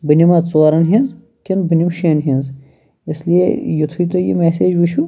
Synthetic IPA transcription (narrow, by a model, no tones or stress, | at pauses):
bɨnʲimɐt͡soːɾɐnɦinz | kinbɨnʲimʃiɐnɦinz | ɪslijḛjut̪ʰuit̪ojḭmeːseːd͡ʒʋiʃʰu